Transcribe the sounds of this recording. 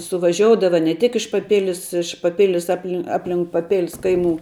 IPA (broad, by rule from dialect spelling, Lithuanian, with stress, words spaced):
sʊʋɐˈʒʲoːʊdɐʋɐ nʲɛ tʲɪk ɪʃ pɐˈpʲɪlʲɪs ɪʃ pɐˈpʲɪlʲɪs ˈɑːpʲlʲɪ ˈɑːpʲlʲɪŋk pɐˈpʲɪlʲɪs ˈkɐɪˌmuː